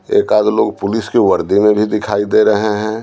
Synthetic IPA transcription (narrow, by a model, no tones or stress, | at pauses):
ḛːkaːd̪loːɡpʊlɪskiwəɾd̪imẽbʱid̪ɪkʰaːid̪eɾəɦeɦɛ̃ː